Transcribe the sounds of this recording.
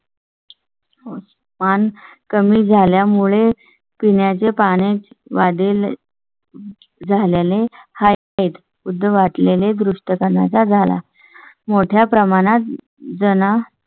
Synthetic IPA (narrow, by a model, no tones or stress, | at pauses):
o | mankəmiːd͡zʱaljamuɭe | piɳjat͡sepaɽ̃et͡sʋaɽiːl | d͡zʱaleleha | it̪ | ud̪ʱːəʋaʈleled̪ɾuʂʈəkəɾɳat͡sad͡zʱala̰ | moʈʰjapɾəmaɽ̃at̪̚ | d͡zəna